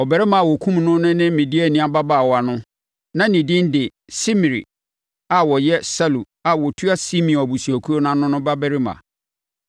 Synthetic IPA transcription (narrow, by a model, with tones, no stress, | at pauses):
ɔ˨bɛ˨ɾɪ˦mã˨a˨wɔ˨kʰũ˦mnʊ̃˦nʊ̃˦nɪ̃˦mɪ̃˨di˦ɛ˦˨nɪ̃˦a˦ba˦ba˦˨wɔ˨˦a˨nʊ̃˦ | nã˦nĩ˨dɪ̃˦n˦dɪ˨ | si˦mi˨ɾḭ˨ | a˨wɔ˨jɛ˦sa˦lu˨ | a˨wɔ˨tʰu˦a˦si˦mĩ˨bu˨si˨æ˨kʰu˦ɾo˦nã˦nʊ̃˦nʊ̃˦ba˦bɛ˦ɾɪ˦mã̰˨